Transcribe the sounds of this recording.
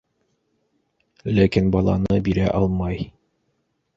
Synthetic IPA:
lækinbɑlˠɑ̰nɤbiɾæʔɑlˠmɑj

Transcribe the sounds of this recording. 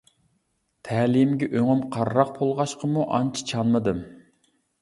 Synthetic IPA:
t̪ʰæːlimɡʲɛʔøŋymqʰɑɾːɑq̚pʰolˠʁɑʃqʰəmuʔɑ̰nt͡ʃʰi̥t͡ʃʰɑnmɨd̪ɨm

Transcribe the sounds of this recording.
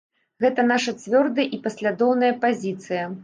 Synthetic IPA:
ɣɛt̪ɐnaʂɐt͡sʲvʲɔrd̪ɐjʔipɐsʲlʲad̪ɔwnɐjɐpazʲit̪sɨjɐ

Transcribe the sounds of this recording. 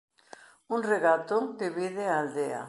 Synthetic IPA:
uŋreɣat̪ʊd̪eβiðɪaːld̪ea̰

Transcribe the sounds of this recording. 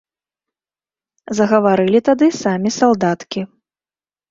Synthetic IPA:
zɐɣɐvaɾɨlʲit̪ad̪ɨsamʲisalˠd̪at̪kʲi

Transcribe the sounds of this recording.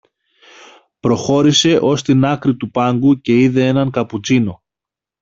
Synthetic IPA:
pɾo̞xo̞ɾise̞ʔo̞st̪inɐkɾit̪upɐŋɡuce̞iðe̞e̞nɐŋkɐput͡sino̞

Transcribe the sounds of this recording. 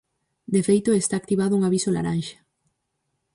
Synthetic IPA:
d̪efejt̪oest̪aːk̚t̪iβ̞aðouŋaβisola̰ɾanʃḁ

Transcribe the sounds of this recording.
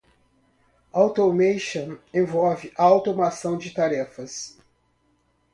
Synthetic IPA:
awt̪omejʃɐ̃ẽvɔvɪʔaawt̪omasɐ̃w̃d͡ʒɪt̪aɾɛfɐs

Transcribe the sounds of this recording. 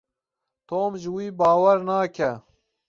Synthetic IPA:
t̪oːmʒwiːbaːwɐɾnaːkʰa

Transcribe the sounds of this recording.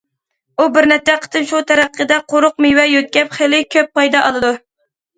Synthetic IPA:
ubɪɾnɛt͡ʃ̪ːɛqʰə̥t̪ʰɨnʃut̪ʰæɾæqʰːəd̪ɛqʰoɾʊqmiwɛjøt̪̚kʲɛpχelɪkʲʰøpːɑjd̪ɑʔɑlˠɨd̪u

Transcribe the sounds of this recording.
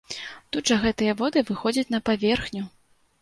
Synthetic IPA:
t̪ud̪ʐɐɣɛt̪ɨjɐvɔd̪ɨvɨxɔd͡zʲɐt͡sʲn̪ɐpavʲɛrxnʲu

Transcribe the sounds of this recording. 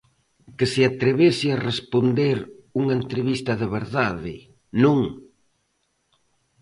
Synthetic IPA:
kɪsɪat̪ɾeβesɪarespond̪eɾuŋaent̪ɾeβist̪ɐðɪβeɾðaðɪ | nũŋ

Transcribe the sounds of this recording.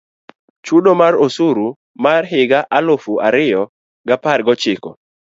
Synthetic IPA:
t͡ʃudomaɾosuɾu | marɦɪɡaʔalofuaɾɪjɔ | ɡapaɾɡɔt͡ʃɪkɔ̰

